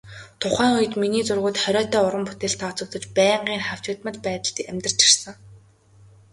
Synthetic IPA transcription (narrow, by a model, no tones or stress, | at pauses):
t̪ʰʊχæːŋʊjə̆t̪miniːt͡sʊrʁʊːt̪χœɾʲœːt̪æːʊɾə̆mput̪eːɬt̪ʰːaːt͡sɵ̆kt̪ə̆t͡ɕpæːɴɢiːŋχaw̥t͡ɕʊt̪mə̆t̪pæːt̪ə̆ɮt̪iæmʲt̪ə̆r̥t͡ɕʰi̥rsə̆ŋ